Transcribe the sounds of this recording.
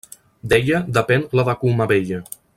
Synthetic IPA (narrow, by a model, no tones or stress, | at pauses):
d̪eʎəd̪əpɛnləβakuməβeʎə